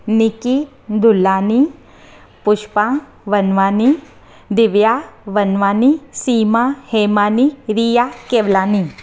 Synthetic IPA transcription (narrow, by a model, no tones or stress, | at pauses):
nɪki | d̪ʊlːaːni | pʊʃpã | ʋɐnʋaːni | d̪ɪʋjaʋɐnʋaːnisiːmaheːmaːniɾijakeːʋlaːni